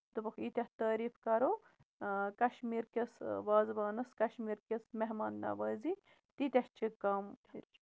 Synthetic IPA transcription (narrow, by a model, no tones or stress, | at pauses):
t̪ɨbɐkʰit̪ʲɐht̪ɐːɾiːfkɐɾo | kɐʃmiːɾkʲesʋaːzbɐːnɐskɐʃmiːɾkʲesmeɦmɐːnd̪ɐ̰ːʋɐːzi | t̪it̪ʲɐht͡ʃʰikɐm